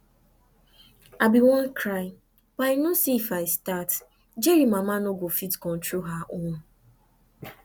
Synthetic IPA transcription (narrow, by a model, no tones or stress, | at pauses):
abiwɔ̃nkʰɾaɪ | b̥aɪnosiifaɪstat | d͡ʒeɾimamanoɡofitkɔ̃ntɾoɦaʔõn